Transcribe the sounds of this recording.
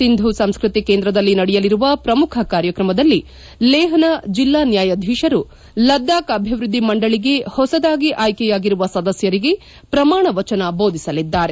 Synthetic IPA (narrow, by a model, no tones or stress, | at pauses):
sind̪ʱusɐmskɾut̪ikeːnd̪ɾɐd̪ɐlːinɐɽɛjɐliɾuʋɐpɾɐmukʰɐkaːɾjɐkɾɐmɐd̪ɐlːi | lɛːɦɐnɐd͡ʒilːaːnjaːjɐd̪ʱiːʃɐɾu | lɐd̪ːaːkɐbʱiʋɾud̪ʱːimɐɳɖɐɭiɡe̞hɔsɐd̪aːɡiʔaːjkɛjaːɡiɾuʋɐsɐd̪ɐsjɐɾiɡe̞ | pɾɐmaːɳɐʋɐt͡ʃɐnɐbo̞ːd̪ʱisɐlid̪ːaːɾe̞